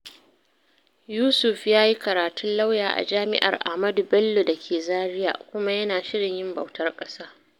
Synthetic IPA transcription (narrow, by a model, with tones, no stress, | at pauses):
juː˦sʊ˨ɸjaː˦ji˦kɐ˨ɾaː˨tʊ˦nla˦wjaː˨ʔa̰˨d͡ʒaː˦mɪ̰˦ʔɐ̰˨rʔa̰˨mɐ˦du˨bɐ˦lːo˨dɐ˨kʲʰeː˨zaː˦ɾɪ˦ja̰ː˨kʷʊ˦ma˦jɐ˦naː˨ʃɪ˦ɽɪ˨ɲjɪ˦mbɐ̰˨wtʰɐ˦rkʼɐ˦saː˦